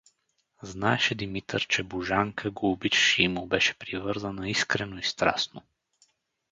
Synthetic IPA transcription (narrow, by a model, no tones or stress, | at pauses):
znaɛʃɛd̪imit̪əɾt͡ʃɛboʒaŋkʰəɡoːbit͡ʃʃiimubɛʃɛ̥pɾivɤɾzənəiskɾɛnoist̪ɾa̰sno